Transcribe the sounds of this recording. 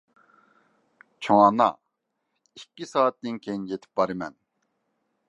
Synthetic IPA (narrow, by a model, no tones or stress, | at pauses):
t͡ʃʰoŋɑnɑ̰ | ikʲːisɑːt̪̚d̪ɪnkʲʰejinjet̪ʰɪ̥p̚bɑɾɨmɛ̰n